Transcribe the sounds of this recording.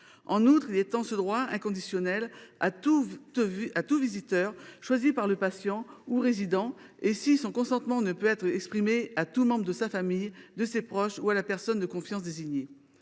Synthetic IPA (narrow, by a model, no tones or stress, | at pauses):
ɑ̃nut̪χilet̪ɑ̃səd̪ʁwaɛ̃kɔ̃d̪isjɔnɛla̰t̪u | at̪uvizit̪œːʁʃwazipaʁləpasjɑ̃uʁezid̪ɑ̃esisɔ̃kɔ̃sɑ̃t̪mɑ̃nəpøɛt̪χɛkspχimeat̪umɑ̃bʁəd̪əsafamijd̪əsepχɔʃualapɛʁsɔnd̪əkɔ̃fjɑ̃sd̪eziɲe